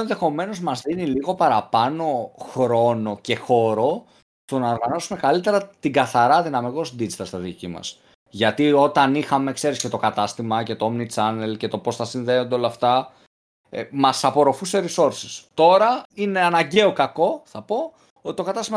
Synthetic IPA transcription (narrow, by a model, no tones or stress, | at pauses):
enðe̞xo̞me̞no̞zmɐzðiniliɣo̞pɐɾɐpɐno̞xɾo̞no̞ce̞xo̞ɾo̞ | t̪onɐoɾɣɐno̞sume̞kɐlit̪e̞ɾɐt̪iɡɐθɐɾɐðinɐmiɣo̞sd̪it͡st̪ɐst̪ɐðiicimɐ̰s | ʝɐt̪io̞t̪ɐnixɐme̞kse̞ɾiscet̪o̞kɐt̪ɐst̪imɐce̞t̪oomnit͡sɐne̞lce̞t̪o̞po̞sθɐsinðe̞o̞nd̪eolɐft̪ɐ | emɐsɐpo̞ɾo̞fuseɾiso̞ɾsist̪o̞ɾɐine̞ɐnɐɲɟe̞o̞kɐko̞θɐpo̞ | ot̪i̥t̪o̞kɐt̪ɐst̪im